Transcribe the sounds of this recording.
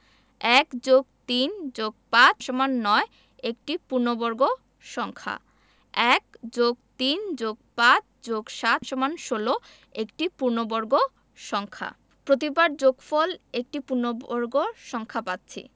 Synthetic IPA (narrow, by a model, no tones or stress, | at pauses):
ɛkd͡ʑoɡ̚t̪ind͡ʑoɡ̚pat͡ɕʰʃɔmanːɔe | ek̚ʈipuɾnobɔɾɡo | ʃɔŋkʰa̰ | ɛkd͡ʑoɡ̚t̪ind͡ʑoɡ̚pat͡ɕʰd͡ʑoɡʃat̪ʰʃɔmanʃolo | ekʈipuɾnobɔɾɡo | ʃɔŋkʰa̰ | pɾot̪ibaɾd͡ʑoɡfɔlek̚ʈipuɾnobɔɾɡoʃɔŋkʰapat̪ːɕʰḭ